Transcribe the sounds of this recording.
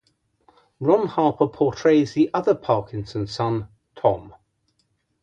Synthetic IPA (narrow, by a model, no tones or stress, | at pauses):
ɹɒ̃nhɑˑpəpʰɔˑtʰɹ̥eɪzðiʔʌðəpʰɑˑkɪ̃nsə̃nsʌ̃n | tʰɒ̰̃m